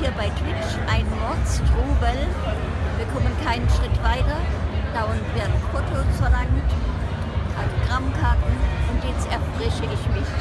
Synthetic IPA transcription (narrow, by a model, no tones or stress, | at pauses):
hiːɐbaɪtv̥ɪt͡ʃʔaɪnmɔɐt͡stʁ̥uːbəl | b̥əkʰɔmənkʰaɪnənʃʁ̥ɪtv̥aɪtɐd̥aʊənveːɐnfʰotʰlsɔnɐn | aɡ̥ʁamkʰaɐtn̩ʔʊntjɛt͡stɛɐfʁ̥ɛçəʔɪçmɪç